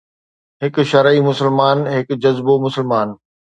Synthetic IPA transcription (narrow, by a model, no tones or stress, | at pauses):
ɦɪkʃɐɾimʊsəlmaːnɦɪkd͡ʑɐzbomʊsəlmaːn